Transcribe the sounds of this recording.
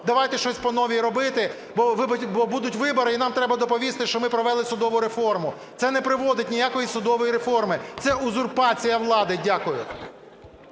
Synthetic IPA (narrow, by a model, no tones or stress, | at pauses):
d̪ɐʋɑjt̪ɛʃt͡ʃɔsʲpɔnɔʋʲiɾɔbɪt̪ɪ | bɔʋɪbʲbɔbud̪ʊtʲʋɪbɔɾɪinɑmt̪ɾɛbɐd̪ɔpɔʋʲist̪ɪʃt͡ʃɔmɪpɾɔʋɛlˠɪsʊd̪ɔʋʊɾefɔrmʊ | t̪sɛnɛpɾɪʋɔd̪ɪtʲnʲijakɔjisʊd̪ɔʋɔjiɾefɔrmɪt̪sɛʔʊzʊrpɑt͡sʲijɐʋlˠɑd̪ɪdʲakʊjʊ